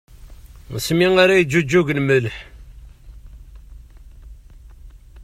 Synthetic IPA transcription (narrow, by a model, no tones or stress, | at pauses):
smiŋaɾajd͡ʒːud͡ʒːuʝənməlħ